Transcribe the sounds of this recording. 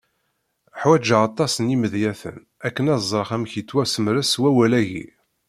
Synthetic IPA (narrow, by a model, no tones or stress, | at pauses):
ħwæd͡ʒaɑt̪ˤːɑsəniməðjæθə̰n | ækːənɑzˤːəɾχæmçit͡sːwæsəmɾæswæwælæʝḭ